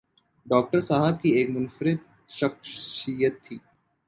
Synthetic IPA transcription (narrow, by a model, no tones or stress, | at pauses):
ɖɔːk̚ʈəɾsaːɦəb̚kieːkmʊnfɾɪd̪̚ | ʃɐkʃijət̪ʰːiː